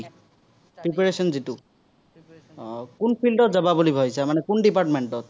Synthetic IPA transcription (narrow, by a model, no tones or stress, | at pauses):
pɹip̬aɹesɔnzitu | kunpʰilɖɔt̚zababulibʱɔjsamanɛkunɖipaʈmeɳʈɔt̪̚